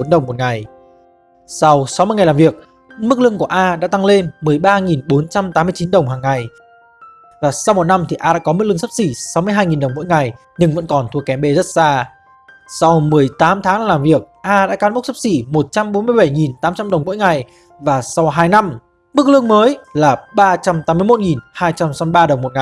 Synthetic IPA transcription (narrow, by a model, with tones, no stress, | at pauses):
o˨˦nɗə˨˩wŋ͡mmo˨˩t̚ŋa˨˩j | sa˧wsa˨˦wmɨ˧jŋa˨˩laː˨˩vi˨˩ək̚ | mɨ˦˥k̚lɨ˧əŋku˧˩əʔaː˧ɗa̰ː˧˥t̪a˧ŋle˧nmɨ˨˩əjɓaː˧ŋi˨˩nɓo˨˦nt͡ɕa˧mt̪aː˨˦mɨ˧ət͡ɕi˨˦nɗə˨˩wŋ͡mɦaː˨˩ŋːa˨˩j | vaː˨˩sa˧wmo˨˩t̚na˧mt̪ʰi˨˩ʔaː˧ɗa̰ː˧˥kɔ˨˦m˦˥k̚ɨ˧ŋsə˦˥p̚si˧˩sa˨˦wmɨ˧əjɦaː˧jŋi˨˩nɗə˨˩wŋ͡mmo̰˧˥jŋa˨˩j | ɲɨ˧ŋvə̰˧˥nkɔ˨˩nt̪ʰu˧˩əkːɛ˨˧˩mɓe˧˩zə˦˥t̚zaː˧ | sa˧wmɨ˨˩əjt̪aː˨˦mt̪ʰaː˨˦ŋ˨laː˨˩mvi˨˩ək̚ʔaː˧ɗa̰ː˧˥kaː˨˦nmo˦˥k̚sə˦˥p̚si˧˩mo˨˩t̚t͡ɕa˧mɓo˨˦nmɨ˧əjɓa˧˩jŋi˨˩nt̪aː˨˦mt͡ɕa˧mɗə˨˩wŋ͡mmo̰˧˥jŋa˨˩j | vaː˨˩sa˧wɦaː˧jna˧m | mɨ˦˥k̚lɨ̰˧əŋməː˨˦jlaː˨˩ɓaː˧t͡ɕa˧mt̪aː˨˦mːɨ˧əjmo˦˥t̚ŋi˨˩nhaː˧jt͡ɕa˧msɔ˨˧ɓaː˧ɗə˨˩wŋ͡mmo˨˩t̚ŋa˨˩j